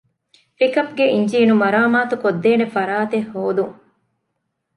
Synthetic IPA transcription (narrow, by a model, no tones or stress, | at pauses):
pikɐpɡeʔiɲd͡ʒiːnumɐɾaːmaːt̪ukod̪ːeːnefɐɾaːt̪ehːoːd̪uŋ